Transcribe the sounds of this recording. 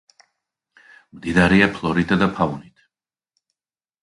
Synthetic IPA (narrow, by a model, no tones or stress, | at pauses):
md̪id̪aɾɛapʰlˠɔɾit̪ʰad̪apʰaunit̪ʰ